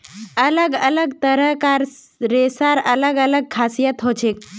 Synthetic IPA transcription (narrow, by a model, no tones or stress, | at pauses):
ələɡələɡt̪əɾəkaɾ | ɾesaɾələɡələɡ̚kʰasijət̪ɦot͡ɕʰek̚